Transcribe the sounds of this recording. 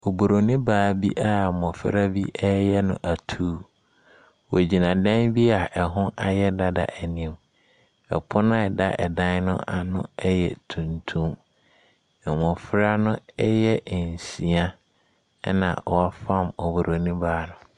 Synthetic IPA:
o˨bo˨ɾo˨nĩ˦baː˦bi˦ʔa˨mɔ̃˨fɪ˦ɾa˦bi˦ʔɛ˦jɛ˦nʊ̃˨ʔa˨tʰuː˦ | wɔ˨d͡ʑi˨nã˨dã˦nbi˦a˨ʔɛ˨ɦʊ̃˦ʔa˨jɛ˦da˦da̰˨ʔɛ˨nĩ˨m | ɛ̰˨pʰʊ˦nã˦ɛ˨da˦ʔɛ˨dã˦nnʊ̰̃˦ʔa˨nʊ̰̃˦ɛ˦jɛ̰˨tʰũ˨ntʰũ˦m˨ | mɔ̃˨fɪ˦ɾa˦nʊ̃˦ɛ˦jɛ˦˨n˨sĩ˨a˦ | nã̰˨ɔ˨a˦fã˦˨mo˨bo˨ɾʔo˨nĩ˦baː˨˦nʊ̃˦

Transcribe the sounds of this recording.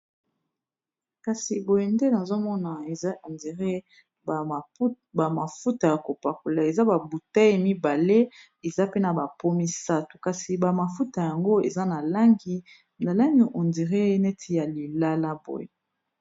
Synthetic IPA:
ka˨si˨bo˨je˨nde˦na˨zo˦mɔ˦na˨e˨a˦o˨ndi˨ʁe˦˨˦ | ba˨ma˨fu˦ta˨ja˨ko˨pa˨ko˨la˨e˨za˦ba˨bu˨ta˦i˨mi˦ba˨le˦ | e˨za˦pe˦na˨ba˨po˦mi˦sa˦tu̥˨ka˨si˨ba˨ma˨fu˦ta˨ja˨ŋɡo˦ḛ˨za˦na˨la˦ŋɡi˦ | na˨la˦ŋɡi˨ʔo˨ndi˨ʁe˦nɛ˦tʰi˦ja˨li˨la˦la˦bo̰˨je˨

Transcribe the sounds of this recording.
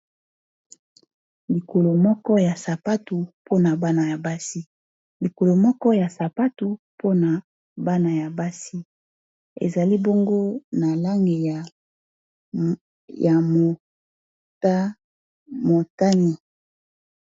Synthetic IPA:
li˨ko˨lo˨mɔ˦kɔ˦ja˨sa˨pa˦tu˨po˦na˨ba˦na˨ja˨ba˦si˦ | li˨ko˨lo˨mɔ˦kɔ˦ja˨sa˨pa˦tu˨ | pʰo˦na˨ | ba˦na˨ja˨ba˦si˦ | ḛ˨za˨li˦bo˦ŋɡo˦na˨la˦ŋɡe˨ja˨ | ja˨m˨ | ta˦ | mo˨ta˦ni˨

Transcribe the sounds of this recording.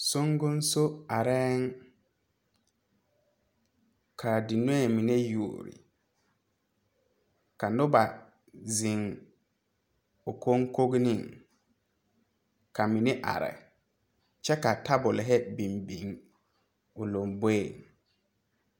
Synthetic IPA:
so˦ŋɡʊ˦n˦so˦a˨ɾɛː˦ŋ | kʰa˨dɪ˨no˦ɛ˨mi˨ne˦ju˨o̰˨ɾḭ˨ | ka˨nʊ˦ba˨ | zɪ˨ŋ | ʊ˨ko˦ŋko˦ɡni˦˨ŋ | ka˨mi˨nɪ˦ʔa̰˨ɾɛ̰˨ | t͡ʃɛ˦ka˨ta˦bʊ˨lɪ˨ɦɛ˦bi˨mbi˨ŋ | ʊ˨lo˨mbe˦˨ŋ

